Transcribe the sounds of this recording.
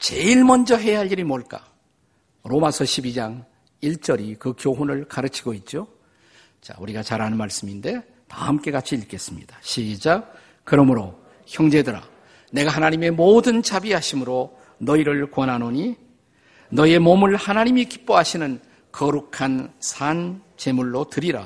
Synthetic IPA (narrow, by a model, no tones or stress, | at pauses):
t͡ɕe̞iɭmʌnd͡ʑʌɦe̞jaɦaɭːiɾimoɭk͈a̰ | ɾomasʰʌɕʰibid͡ʑaŋ | iɭt͡ɕ͈ʌɾikɯkjoɦonɯɭkaɾɯt͡ɕʰiɡoit̚t͡ɕ͈o | t͡ɕa̰uɾiɡat͡ɕaɾɦanɯnmaɭs͈ɯminde̞ | ta̰hamk͈e̞kat͡ɕʰiiɭk͈e̞s͈ɯmɲid̥ḁɕʰid͡ʑa | kɯɾʌmɯɾo | çjʌŋd͡ʑe̞dɯɾa̰ | ne̞ɡahanaɲime̞moːdɯnt͡ɕabiɦaɕʰimɯɾo | nʌiɾɯɭkwʌnɦanoɲi | nʌie̞momɯɭhanaɲimikip͈oɦaɕʰinɯn | kʌɾukʰansʰant͡ɕe̞muɭːotɯɾiɾa̰